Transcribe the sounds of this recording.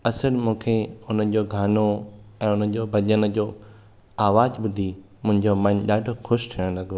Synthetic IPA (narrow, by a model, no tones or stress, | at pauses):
ɐsəɾmũːkʰeʊnə̆d͡ʑoːɡʱaːnoɛ̃ːʊnəd͡ʑoːbʱɐʄənəd͡ʑoː | aːʋaːzbʊd̪ʱi | mʊ̃ɦɪ̃ɲd͡ʑomɐ̃nɗaːɖʱoxʊʃʈʰiəɽ̃lɐɡʱoː